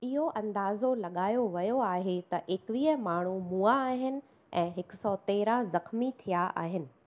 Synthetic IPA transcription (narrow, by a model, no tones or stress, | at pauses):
ɪɦoʔɐ̃nd̪aːzolɐɠaːjoʋɐjoaːɦet̪ɐʔeːkʋiːəmaːɳ̤umuːaːɦɪnɪ̆ | ɛ̃ːɦɪksɔt̪eːɾazɐxmit̪ʰijaʔa̰ːɦɪnɪ̆